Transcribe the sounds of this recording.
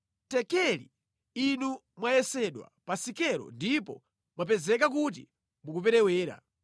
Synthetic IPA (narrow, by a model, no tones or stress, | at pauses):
tɛkɛlḭ | inu | mwajɛsɛɗwa̰pasikɛɾɔ̰ndipɔ̰ | mwap̬ɛzɛkak̬ut̬ḭ | mukup̬ɛɾɛwɛːɾa̰